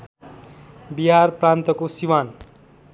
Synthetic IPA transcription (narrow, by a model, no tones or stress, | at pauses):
biɦarprãnt̪ʌkosiwan